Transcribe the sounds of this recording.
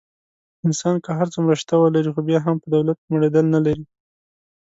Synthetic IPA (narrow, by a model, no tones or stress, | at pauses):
ɪnsɑnkəɦaɾt͡səmɾəʃt̪awəlaɾixobjɑɦampəd̪awlat̪̚kməɽed̪əlnalaɾi